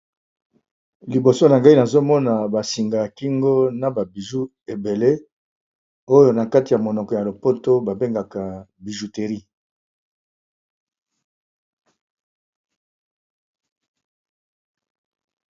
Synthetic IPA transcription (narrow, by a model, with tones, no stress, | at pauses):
li˨bo˨so˦na˨ŋɡa˦i˦na˨zo˦mɔ˦na˨ba˨si˨ŋɡa˨ki˦ŋɡo˦na˨ba˨bi˨zu˦ | e˨be˨le˦ | o˦jo˦na˨ka˦ti˨ja˨mo˨nɔ˨kɔ˨ja˨lo˨po˦to˦ba˨be˦ŋɡa˨ka˨bi˨ʒu˨te˨ʁi˦